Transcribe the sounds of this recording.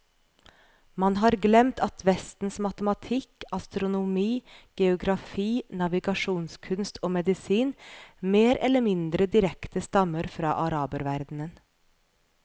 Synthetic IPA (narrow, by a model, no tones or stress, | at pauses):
mɑnɦɑːɾɡlɛmt̪ʰɑt̪ʰʋɛst̪n̩smɑt̪əmɑt̪ʰɪkɑst̪ɾʊnʊmiːɡ̥ɛʊɡɾɑfiːnɑʋɪɡɑʂuːnskʰʉnst̪ʰoːmɛd̪ɪsiːnmeːɾɛ̰lːəmɪnd̪ɾəd̪ɪɾɛkt̪əst̪ɑməɾfɾɑ̰ːʔɑɾɑːbəɾʋæɾd̪n̩ən